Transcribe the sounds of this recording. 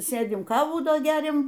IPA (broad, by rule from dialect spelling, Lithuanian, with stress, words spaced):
ˈsʲeːdʲɪm ˈkɑːʋuː ˈdoː ˈɡʲæːrʲɛm